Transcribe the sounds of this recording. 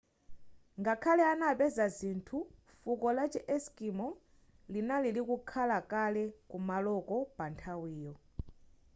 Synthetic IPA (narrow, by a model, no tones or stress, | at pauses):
ŋɡakʰalɛanapɛzazintʰu | fukɔlat͡ʃiʔɛskimɔ | linalilikukʰalakalɛkumalɔkɔpantʰawiːjɔ